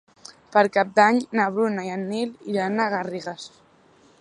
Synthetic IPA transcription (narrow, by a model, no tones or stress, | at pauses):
pəɾkap̚d̪aɲnaβɾunaianːiliɾanaɣariɣas